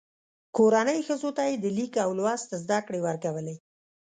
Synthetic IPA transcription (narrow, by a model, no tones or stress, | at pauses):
koɾanəjxəzot̪ajed̪əlikawlwɑst̪azd̪akɽewəɾkawəle